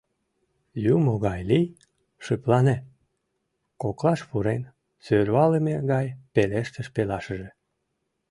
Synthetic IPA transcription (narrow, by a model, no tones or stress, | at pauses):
jumoɣɑjlij | ʃɨplɑne | koklɑʃpuɾen | sølɑləmeɣɑjpeleʃt̪əʃpelɑʃəʒe